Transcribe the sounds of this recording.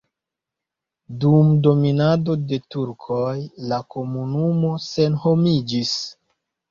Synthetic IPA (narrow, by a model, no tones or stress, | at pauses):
dumdo̞minado̞de̞tuɾkʰojlako̞munumo̞se̞nho̞mid͡ʒis